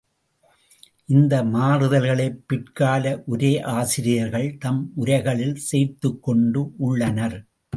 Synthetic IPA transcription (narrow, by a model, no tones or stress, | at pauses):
ʔɪnd̪ɐmaːrɯðɐlɣɐɭɐɪpːɪʈkaːlɐʔʊɾeːʔaːsɪɾɪjɐɾɣɐɭt̪ɐmʔʊɾɐɪɣɐɭɪlseːɾt̪ɯkːɔɳɖɯʔʊɭːɐnɐɾ